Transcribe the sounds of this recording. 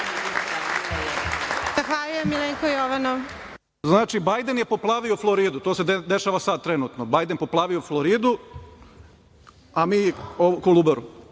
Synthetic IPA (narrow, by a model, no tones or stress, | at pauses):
z̥axʋalujemːileːŋkoijoʋanoʋ | znaːt͡ʃibajd̪enjepoplˠaːʋioflˠoɾiːd̪ut̪oːsed̪eʃaːʋasad̪̚t̪ɾenuːt̪nobaːjd̪enpoplˠaːʋioflˠoɾiːd̪u | amiːokolˠubeɾu